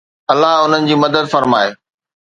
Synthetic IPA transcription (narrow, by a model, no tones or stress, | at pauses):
ɐlːaɦʊn̤ənɪ̆d͡ʑiːmɐd̪əd̪fɐɾmaːeː